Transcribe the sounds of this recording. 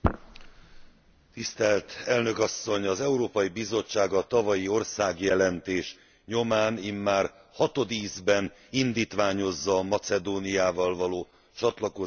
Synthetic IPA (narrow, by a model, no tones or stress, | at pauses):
t̪ist̪ɛlt̪ɛlnø̞kɒsːo̞ɲɒzɛuɾoːpɒjibizo̞t͡ʃːaːɡɒt̪ɒvɒjio̞rsaːɡjɛlɛnt̪eːʃ | ɲo̞maːnimːaːr | hɒt̪o̞d̪iːzbɛn | ind̪iːt̪ʋaːɲo̞zːɒːmɒt̪sɛd̪oːnijaːvɒlvɒloː | t͡ʃɒt̪lɒko